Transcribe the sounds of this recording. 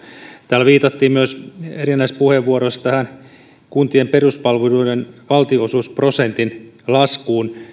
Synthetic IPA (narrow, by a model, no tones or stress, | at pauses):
t̪æːlʋiːt̪ɑt̪ːiːmmyøserinːæispuheʋːuoɾost̪æhæn | kunt̪iemperuspɑlʋeluidenʋɑlt̪iosusprosent̪inlɑskuːn